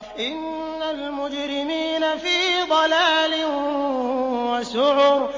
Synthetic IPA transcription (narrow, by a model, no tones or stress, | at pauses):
ʔɪnː | almʊd͡ʒɾɪmiːnafiːd̪ˤɑlaːlɪ | waʃʊʕuɾ